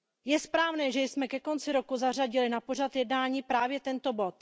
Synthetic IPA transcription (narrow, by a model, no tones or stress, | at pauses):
jɛspɾaːvnɛːʒɛjsmɛkɛko̞nt͡sɪɾo̞kuzaraɟɪlɪnapo̞rat̪jɛdnaːɲiːpɾaːvjɛt̪ɛnt̪o̞bo̞t̪